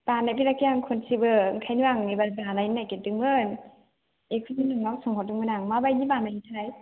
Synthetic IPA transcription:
b̥anabiɾakijaŋkʰunsibɯɯŋkʰajnuaŋibazanajnajkedɯŋmɯn | ekʰɯdinɯŋawsɯŋhɔdɯŋmɯnaŋmabajɡibanaɦitʰaj

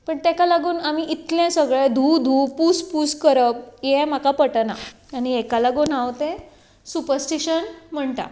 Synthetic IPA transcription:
pəɳt̪ɛkalaɡuːnamiʔit̪lɛ̃səɡɭẽd̪ʱud̪ʱuːpuspuskəɾəb̚jɛm̤akapəʈəna̰ | añiekalaɡoːnawt̪ɛ̃ | supəɾsʈiɕənm̤əɳt̪a̰

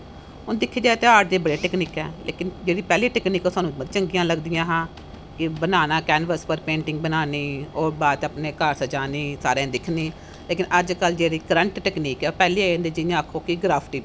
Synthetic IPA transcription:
ɦʊnd̪ɪkʰːeːd͡ʒaːet̪eaːʈ̚d̪eːbəɽeːʈɛːkniːkɛːlḛːkɪnd͡ʒeːɽiːpɛːliːʈɛːkniːkoːsaːnũːəd̪t͡ʃəŋɡɪjãːləɡd̪ɪjãːɦãː | kɪbənaːnaːkɛːnʋəspəɾpẽːɳʈɪŋɡbənaːniːoːbaːt̪əpneːkəɾsəd͡ʒaːniːsaːɾẽːd̪ɪkʰniː | leːkɪnəd͡ʒkəld͡ʒeːɽiːkəɾəɳʈʈɛːkniːkɛpɛːliːãːnd̪eːd͡ʒɪjãːəkʰːoːkɪɡɾaːpʰʈiː

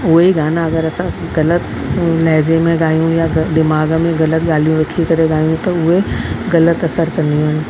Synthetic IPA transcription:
ʊɦeiɡaːnãɐɡəɾɐsã | ɣɐlət̪ | lɐɦzemẽɡaːijũjad̪ɪmaːɡmẽɣɐlət̪ɡaːl̤ijũɾɐkʰikɐɾeɠaːijũt̪ɐʊɦeɣɐlət̪ɐsəɾkɐɾ̃nd̪ijũɦɪ̃nɪ̆

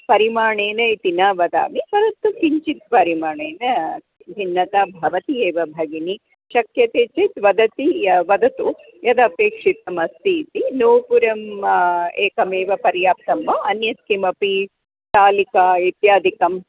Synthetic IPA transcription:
pɐɾimaːɳeːnɐit̪inaːʋɐd̪a̰ːmipɐɾɐt̪ːukiɲt͡ʃit̪̚pɐɾimaːɳeːnɐ | b̪ʱinːɐt̪aːbʱɐʋɐt̪ieːʋɐbʱɐɡini | ʃɐkjɐt̪eːt͡ʃit̪ʋɐd̪ɐt̪iʋɐd̪ɐt̪u | jɐd̪ɐpeːkʂit̪ɐmɐst̪iːt̪inoːpuɾɐm | eːkɐmeːʋɐpɐɾjaːp̚t̪ɐmʋɐɐnjɐt̪kimɐpi | t̪aːlikaːit̪jaːd̪ʱikɐm

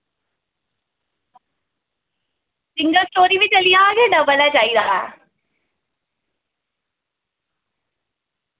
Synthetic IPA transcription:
sɪ̃ŋɡəlsʈoːɾiʋɪt͡ɕɐlijaːɡenɐbɐlad͡ʑaːid̪aːɦɛ

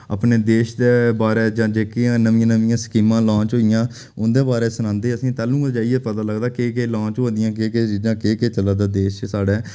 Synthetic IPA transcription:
ə̰pneːd̪eːʃd̪eːbaːɾeːd͡ʒãːd͡ʒeːkiãːnəʋɪjãːnəʋɪjãːskiːmãːlɔ̃ːt͡ʃɦoːɪjãː | ʊnd̪eːbaːɾeːsʊnãːnd̪eːəsĩːt̪ɛːlũːd͡ʒaːiɛːət̪aːləɡd̪aːkeːkeːlɔ̃ːt͡ʃɦoːd̪ɪjãːkeːkeːt͡ʃiːd͡ʒãːkeːkeːt͡ʃəlaːd̪aːd̪eːʃsaːɽɛː

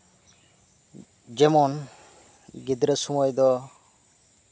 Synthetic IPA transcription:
d͡ʒɛmɔn | ɡid̪ɾesumɔjd̪ɔ

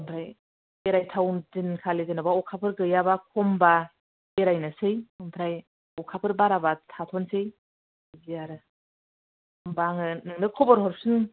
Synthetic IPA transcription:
ɯmpʰɾaj | eɾajtʰawdinkʰalezinabaɔkʰapʰɯɾɡɯjabakʰɔmba | eɾajnɯsɯjɯmpʰɾaj | ɔkʰapʰɯɾbaɾabatʰatʰɔnsɯj | ziaɾɯ | mbaŋɯnɯŋnɯkʰɔbɔɾɦɔɾp̚sɯn

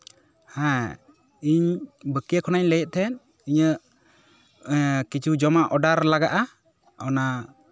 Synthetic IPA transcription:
hã | iɲbəkijəkʰɔnaɲləjɛʔ̪̚t̪ʰɛn | iɲə | kit͡ʃʰud͡ʒɔmaʔɔɖaɾlaɡaʔa | ɔna

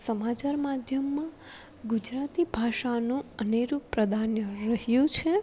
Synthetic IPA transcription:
səmat͡ʃaɾmad̪ʱjəmːã | ɡud͡ʒɾat̪ibʱaʃanũəneɾũpɾəd̪ʱanjəɾəɦjũt͡ʃʰe

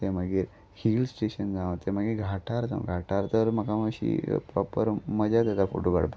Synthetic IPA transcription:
eməɡiːɾ | hilsʈeɕənd͡zãʋt̪eməɡiɡʱaʈʰaɾt̪a̰ɡʱaʈʰaɾt̪əɾməkaməɕḭpɾɔpəɾməd͡ʑad̪at̪afo̰ʈoɡa̰ɽp

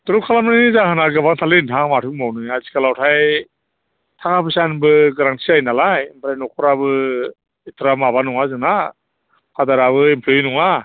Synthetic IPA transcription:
tɔɾukʰalamnanizaɦɯnaɡabaŋtʰalentʰaŋmatʰɯk̚mawnɯazikʰalawtʰaj | tʰaŋapʰɯsanbɯɡɾaŋtʰiajnalajimpʰɾajnɔkʰɔɾabɯ | itʰɾamaβanɔŋazɯna | pʰadaɾaβɯempʰlonɔŋa

